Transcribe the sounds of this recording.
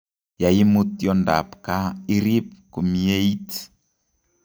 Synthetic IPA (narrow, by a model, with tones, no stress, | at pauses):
ja˨ji˦mu˦t̪jɔ˦nda̰˨pka˦i˦ɾi˦p̚ku˨mi˦e˦i˦ti̥